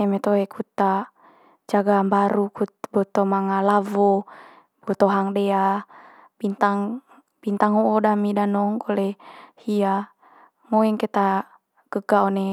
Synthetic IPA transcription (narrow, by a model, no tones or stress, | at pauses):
ɛmɛt̪oɛkut̪a | d͡ʒaɡambaɾukubɔt̪omaŋalavɔ | bɔt̪ɔɦaŋdɛa | bint̪aŋ | bint̪aŋhuːdamidanɔŋkɔlɛhia | moɛŋkɛt̪a | ɡ̥əɡaɔnɛ